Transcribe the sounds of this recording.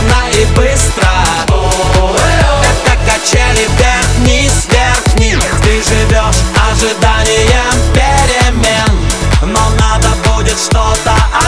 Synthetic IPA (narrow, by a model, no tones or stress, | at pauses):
nɐɪbɨst̪ɾə | ɛt̪ɐkɐt͡ɕelʲɪbʲert̪nʲɪsvʲert̪nʲɪt̪ɨʐɨvʲoʂɐʐɨd̪anʲɪjəpʲɪɾʲɪmʲennonad̪əbudʲɪt̪ʂt̪ot̪əɐ